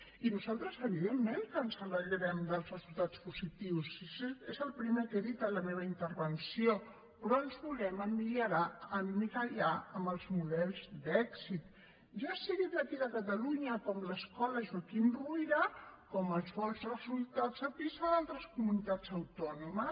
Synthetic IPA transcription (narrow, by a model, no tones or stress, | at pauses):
inuzalˠt̪ɾəzəβ̞iðemːenkənsəβəʎəɾɛmd̪əlˠzrəzulˠt̪at͡spuzit̪iwsisezəlˠpɾimekeðit̪ələmeβəint̪əɾβənsio | pɾɔənzβulɛməmliəɾaənmikaʎaəmbəlˠzmuðɛlˠzd̪ɛksit̪̚ | ʒasiɣit̪ləkiðəkət̪əluɲəkɔmləskɔləʒakinruiɾəkɔməlˠsfɔlsrəzulˠt̪ad͡zəpizaðalˠt̪ɾəskumunit̪ad͡zəwt̪ɔnumə